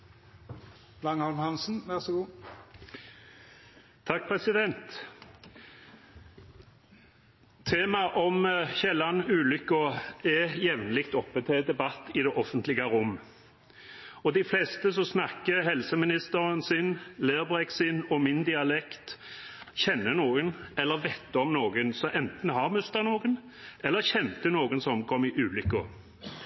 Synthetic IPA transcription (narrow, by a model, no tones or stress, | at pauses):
lɑŋɔlmhɑnsn̩ʋæʁsɔɡuː | ɑk̚ːpʰʁɛsɪd̪ɛnt̪ | eːmɑʔɔmçɛlːɑnʉːlʏkːəɛjɛʋnlɪkt̪ɔpːət̪ʰɛd̪ɛbɑt̪ːɪd̪ɛːʔɔfənt̪lɪɡəɾʊm | ɔd̪ɪflɛst̪əsɔsnɑkːəhɛlsəmɪnɪst̪əɾənsɪnleːʁbʁɛksɪnɔmɪnd̪ɪɑlɛkt̪çɛnːənoːɡənɛlːəʁʋɛt̪ːəɔmnoːɡənsɔʔɛnt̪n̩ɦɑʁmʉst̪ənoːɡən | ʔɛlːəʁçɛnt̪ənoːɡənsɔmkʰɔmɪʔʉːlʏkːʊ